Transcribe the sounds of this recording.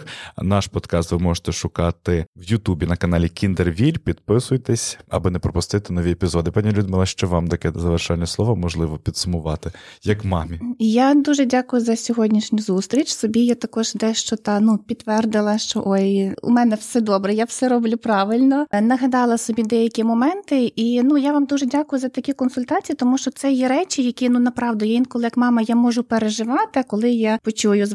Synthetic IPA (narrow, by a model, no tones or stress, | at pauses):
nɑʃpɔd̪kɑst̪ʋɪmɔʒe̥t̪ɛʃʊkɑt̪ɪwjʊt̪ubʲinɐkɐnɑlʲikʲind̪erʋʲilʲpʲid̪pɪsʊjt̪ɛsʲɐ̰bɔnɛpɾɔpʊst̪ɪt̪ɪnɔʋʲiepʲizɔd̪ɪpɑnʲilʲʊd̪mɪlˠɐʃt͡ʃɔʋɑmt̪ɐkɛzɐʋerʃɑnʲːɛslˠɔʋɐmɔʒlˠɪʋɔpʲid̪sʊmʊʋɑt̪ɪjɐkmɑmʲijad̪uʒɛdʲakʊjʊzɐsʲɔɦɔdʲnʲiʃnʲʊzust̪ɾʲit͡ʃʲsɔbʲijat̪ɐkɔʒd̪ɛʃt͡ʃɔt̪ɑnupʲit̪ːʋɛrd̪ɪlˠɐʃt͡ʃɔ̰ʔojṵmɛnɛwsɛd̪ɔbɾɛjawsɛɾɔblʲʊpɾɑʋɪlʲnɔnɐɦɐd̪ɑlˠɐsɔbʲid̪ɛjɐkʲimɔmɛnt̪ɪinujaʋɑmd̪uʒɛdʲakʊjʊzɐt̪ɐkʲikɔnsʊlʲt̪ɑt͡sʲijit̪ɔmuʃt͡ʃɔt̪sɛjɛɾɛt͡ʃʲɪjɐkʲinunɐpɾɑʋd̪ɔjɛinkɔlˠɪjɐkmɑmɐjamɔʒʊpeɾeʒɪʋɑt̪ɪɐkɔlˠɪjapɔt͡ʃujʊz